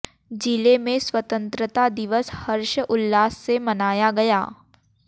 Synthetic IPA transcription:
d͡ʒilemẽswɐt̪ə̃nt̪ɾət̪ad̪ɪʋəshɐɾʃəʔʊlːaːsːemɐnaːjaɡɐja̰ː

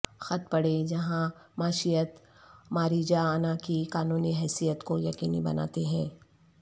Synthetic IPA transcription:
xɐt̪̚pɐɽed͡ʒɐɦãmaːʃijət̪ | maːɾiːd͡ʒaaːnakikaːnuːniɦɛːsijət̪kojɐkiːnibɐ̰na̰ːt̪eɦɛ̃ː

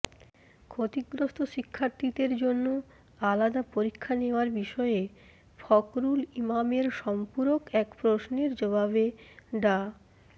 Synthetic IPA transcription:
kʰot̪iɡɾost̪ʰoʃikʰːaɾt̪id̪eɾd͡ʑonːo | alad̪apoɾikʰːaneoaɾbiʃɔe | fɔkɾulimameɾʃɔmpuɾokɛkpɾosneɾd͡ʑobabeɖa

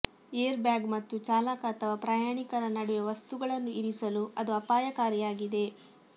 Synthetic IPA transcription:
eːɐɾbjaːɡmɐt̪ːut͡ʃaːlaːkaːt̪ʰɐʋɐpɾaːjaːɳikɐɾɐnɐɽuʋeʋɐst̪uɡɐɭɐnːuiɾisɐluʔɐd̪uɐpaːjɐkaːɾjaːɡid̪e̞

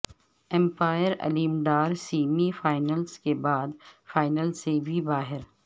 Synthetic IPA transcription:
ɛ̃mpaːjəɾɐ̰liːmd̪aːɾsiːmifaːɪnəlskebaːd̪faːɪnəlsebʱibaːɦɪɾ

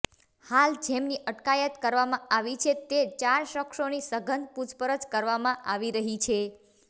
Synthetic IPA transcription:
hald͡ʒemniʔəʈkajət̪kəɾʋamãaʋit͡ʃʰet̪et͡ʃaɾʃəkʃonisəɡʱənpud͡ʒpəɾəd͡ʒkəɾʋamãʔaʋiɾəɦit͡ʃʰe

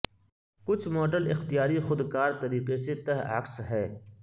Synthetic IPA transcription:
kʊt͡ʃʰmoːʈəlɪxt̪ijaːɾixʊd̪kaːɾt̪ɐɾiːqeset̪ɐɦa̰ːksɦɛː

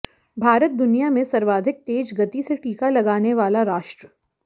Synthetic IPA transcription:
bʱaːɾət̪̚d̪ʊnijamẽsɐɾʋaːd̪ʱɪk̚t̪eːd͡ʒɡɐt̪iseʈiːkalɐɡaːneʋaːlaɾaːʃʈɾə

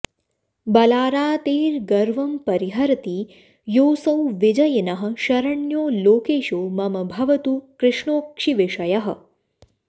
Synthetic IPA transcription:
bɐlaːɾaːt̪eːɾɡɐɾʋɐmpɐɾiɦɐɾt̪iː | joːsɐwʋid͡ʒɐjnɐɦɐ̆ʃɐɾɐɳjoːloːkeːʃoːmɐmɐbʱɐʋɐt̪ukɾɪʂɳoːkʂiʋɪʂɐjɐɦɐ̆

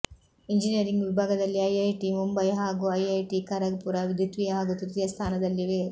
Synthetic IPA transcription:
iɲd͡ʒinijɐɾiŋɡʋibʱaːɡɐd̪ɐlːiɐjɐjʈimumbɐjɦaːɡuɐjɐjʈikɐɾɐɡpuɾɐʋid̪ʱjut̪ʋijɐɦaːɡut̪uɾt̪ijɐst̪ʰaːnɐd̪ɐlːiʋeː

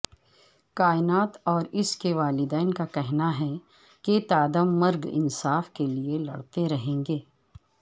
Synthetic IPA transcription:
kaːɪnaːt̪ɔːɾɪskeʋaːlɪd̪ɛːnkakɛɦnaɦɛ | ket̪aːd̪əmːɐɾɡɪ̰nsaːfkelielɐ̰ɽt̪eɾɐɦẽːŋɡeː

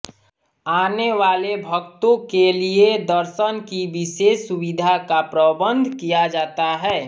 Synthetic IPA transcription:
aːneʋaːlebʱəkt̪õkelied̪əɾʃənkiʋɪʃeːsʊwɪd̪ʱakapɾəbə̃nd̪ʱkijad͡ʒaːt̪aɦɛː

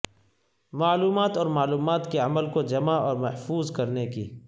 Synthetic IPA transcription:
maːluːmaːt̪ɔːɾmaːluːmaːt̪keɐməlkod͡ʒɐmaɔːɾmɐhfuːzkɐɾnekḭː

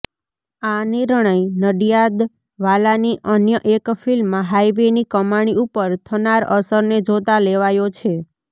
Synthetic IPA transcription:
aniɾɳ̃əjnəɖijad̪ | ʋalaniʔənjəʔekfilmːãɦajʋenikəmaɳ̃iupəɾt̪ʰənaɾə̰səɾned͡ʒot̪aleʋajot͡ʃʰe

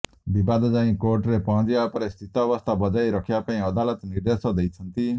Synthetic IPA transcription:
bibad̪d͡ʒaĩkoːɾʈɾepɔ̃ɦd͡ʒjapɾest̪ʰit̪ɔʋəst̪ʰabəd͡ʒaːiɾɔkʰjapaĩəd̪aːlət̪nɪɾd̪eːsɔd̪eit͡sʰə̃nt̪i

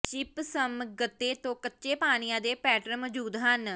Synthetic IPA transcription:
t͡ʃɪpsəmɡət̪ːeːt̪õːkətːʃeːpaːnɪjãːd̪eːpɛːʈəɾməd͡ʒuːd̪ɦən

